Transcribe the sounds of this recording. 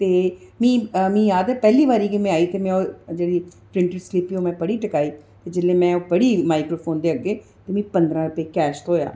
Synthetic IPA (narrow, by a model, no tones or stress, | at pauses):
t̪eː | mĩːmĩːjaːd̪əpɛːliːʋaːɾiːkemɛ̃ːaːiːt̪eːmɛ̃ːoːd͡ʒeːɽiːpɾɪ̃ɳʈəɾslɪpiːoːmɛ̃ːbəɽiːʈəkaːiːt̪eːd͡ʒɪlẽːmɛ̃ːoːpəɽiːmaːɪkɾoːpʰoːnd̪eːəɡeː | t̪eːmĩːpənd̪ɾãːɾʊpeːkɛːʃt̪oːja̰ː